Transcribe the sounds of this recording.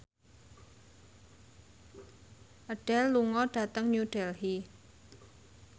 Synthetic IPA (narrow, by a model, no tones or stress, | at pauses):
ʔəɖ̥ɛlːuŋɔɖ̥a̤t̪əŋɲuɖ̥ɛlhi